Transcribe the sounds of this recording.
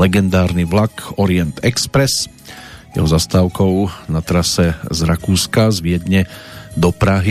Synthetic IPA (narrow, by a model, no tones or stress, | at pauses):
lɛɡɛnd̪aːɾniʋlakɔɾiɛnt̪ɛkspɾɛs | jɛ̰ɦɔzast̪aːʊkɔʊnat̪ɾasɛzɾakuːskazʋɪɛd̪ɲɛd̪ɔpɾaɦi